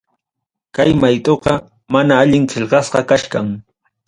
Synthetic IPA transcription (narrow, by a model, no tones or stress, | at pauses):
kajmajt̪oqɑ | manaːʎɪŋqeʎɢɑsqɑkaʃkaŋ